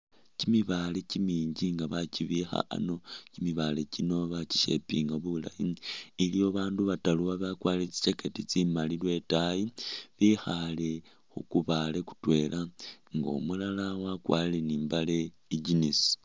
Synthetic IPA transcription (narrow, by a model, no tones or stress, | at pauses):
cimiβale̞cimiːɲɟiŋɡaβaciβixa̰a̰no̞cimiβale̞cinoβaci̥ʃe̞̰piŋɡaβula̰jiilijoβaːnduβataluwaβakwalet͡si̥t͡ʃeketit͡simalilwe̞tajiβixale̞ | xukuβale̞ku̥twe̞lʔaŋɡo̰mulalawakwa̰ːlleniːmbale̞ | iɟinisi̥